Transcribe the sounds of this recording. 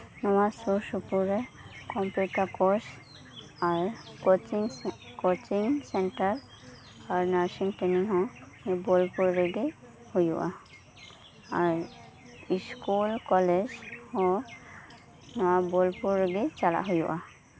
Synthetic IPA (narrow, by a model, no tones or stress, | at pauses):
nɔwasusupuɹe | kɔmpjuʈakos | aɹoiŋ | kot͡ʃiŋseɳʈaɹ | aɹnasiŋʈeniɦɔ̃hebolpuɹːeɡi | hojṵʔa | aɹ | iskulkɔled͡ʒhɔ̃ | nɔwabolpuɹːeɡit͡ʃala̰ɦojṵʔa